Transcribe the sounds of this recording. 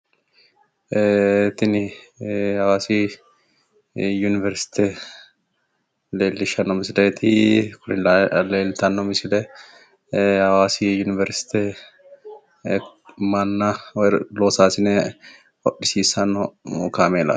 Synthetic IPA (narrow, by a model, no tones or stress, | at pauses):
t̪ːɪnɪ | hɐwaːsi | junɪvɛɾsɪ̥t̪e | leːlːɪʃɐnːɔmɪsɪleːt̪ʰɪkʊnɪleːlt̪ɐnːɔmɪsɪlɛ | hɐwaːsijunɪvɛɾsɪ̥t̪e | manːaloːsaːsɪnɛ | hɔɗɪsiːsɐnːɔkaːmeːlɐ̰